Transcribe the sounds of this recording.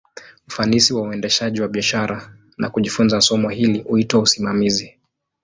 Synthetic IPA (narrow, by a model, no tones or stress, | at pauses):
ufanisiwauɛndɛʃaʄiwaɓiaʃaɾa | nʔa̰kuʄifunzasɔmɔhilihuitwausimamizi